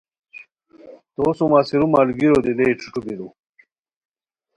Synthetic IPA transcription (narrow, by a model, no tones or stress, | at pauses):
t̪oːsumasiɾumalɡiɾod̪ileʈ͡ʂʰu̥ʈ͡ʂubiɾu